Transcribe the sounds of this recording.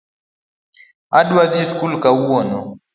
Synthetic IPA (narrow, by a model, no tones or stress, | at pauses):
aɗwaðiskulkauɔnɔ